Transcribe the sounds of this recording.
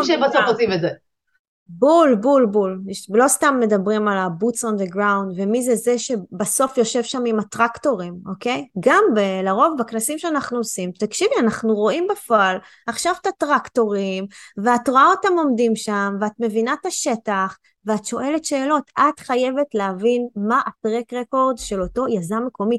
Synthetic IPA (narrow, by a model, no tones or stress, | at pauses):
ʃbasofosimetze | bulbulbullo̞st̪amːe̞dabʁimalabut͡sond̪eɡʁawnd̪vemizezeʃe̞baso̞fjo̞ʃe̞vʃamimat̪ʁakto̞ʁimo̞ke̞jɡambelaʁo̞vbaknasimʃeanaχnuosimt̪akʃivianaχnuʁo̞imbafoal | aχʃavt̪atʁakto̞ʁimveatʁoaotamo̞mdimʃamveat̪me̞vinataʃe̞taχ | veatʃo̞ʔe̞letʃe̞ːlo̞tʰatχaje̞ve̞tleavinmaʔatʁekʁeko̞ʁdʃe̞lo̞to̞jazameko̞mi